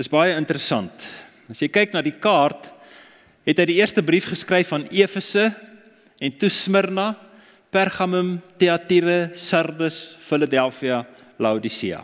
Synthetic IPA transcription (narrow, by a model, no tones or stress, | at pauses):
dəszbɑjəəntəɾəsɐnt | ɐsjəjkɛjknɑːdikɑːrt | ɦɛtɦəjdiiərstəbrifχəskrɛjfɐniəfəsə | ɛntusmərnɐ | pærχɐməmteɐtiɾəsɐrdəsfələdɛlˠfiɐ | lɐwdisiɐ̰